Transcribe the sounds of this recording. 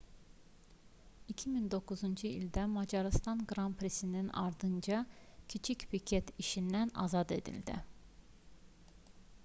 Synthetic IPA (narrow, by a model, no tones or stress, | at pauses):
icʰimind̪o̞kuzund͡ʒɯild̪æmɑd͡ʒɑɾɯst̪ɑnɡɾɑmpʰɾesininɑ̰ɾd̪ɯnd͡ʒɑcʰit͡ʃʰicpicʰet̪iʃind̪ænɑ̰zɑd̪e̞̰d̪ḭld̪ḭ